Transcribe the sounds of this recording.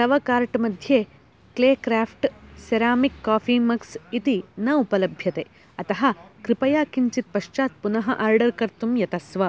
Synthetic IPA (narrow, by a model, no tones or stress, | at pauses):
sɐʋɐkaːɾʈmɐd̪ʱjeː | kleːkɾaːpʰʈseɾaːmikːaːfiːmɐksit̪inɐupɐlɐbʱjɐt̪eː | ɐt̪ɐɦɐ̆kɾipɐjaːkiɲt͡ʃit̪̚pɐʃt͡ʃaːt̪̚punɐɦɐʔaːɾɖɐɾkɐɾt̪umjɐt̪ɐsʋɐ